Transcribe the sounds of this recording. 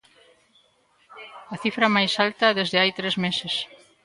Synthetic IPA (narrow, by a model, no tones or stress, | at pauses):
ɐθifɾɐmajsalt̪ɐðezðeajt̪ɾezmeses